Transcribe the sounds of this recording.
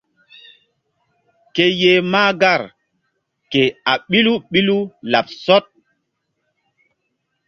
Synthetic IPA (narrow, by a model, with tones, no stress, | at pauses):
ke˦je˦maː˦ɡa˦˨ɾ | ke˨a˨ɓi˦lu˦ɓi˦lu˦la˨p̚sɔ˦t̚